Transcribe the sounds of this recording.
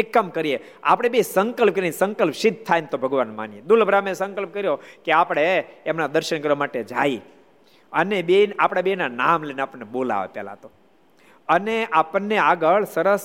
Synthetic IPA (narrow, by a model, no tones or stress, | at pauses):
ekːəmkəɾie | a̰pɽ̃ebisəŋkəlp̚kəɾiinisə̃ŋkəlpʃɪd̪̚ʱt̪ʰajnt̪obʱəɡʋanma̰nijed̪ulbʱɾamesə̃ŋkəlp̚kəɾjokeapɽ̃eːmnad̪əɾʃənkəɾʋamaʈed͡ʒa̰i | ənebenapɽ̃abinanamleneapəɳnebola̰ʋḛpjɛ̰la̰t̪o | əneapənːeaɡəɭsəɾəs